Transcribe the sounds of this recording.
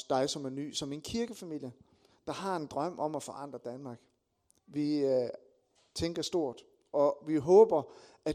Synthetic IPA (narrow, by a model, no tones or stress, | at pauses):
d̥ɑ̈ɪsɒ̽mæny̰ːsɒ̽me̝nkʰiɐɡ̥əfæmil̰jə | d̥ɑ̈ɦɑ̈e̝nd̥ʁɶm̰ʔɒ̽mæfɒ̽ʔɑ̈n̰d̥ʁɐd̥ænmɑ̈ːɡ̥ | ʋi | t͡sʰeŋɡ̥ɐsd̥o̝ɐ̰d̥ | ɒ̽ʋiɦɔːb̥ɐ | æ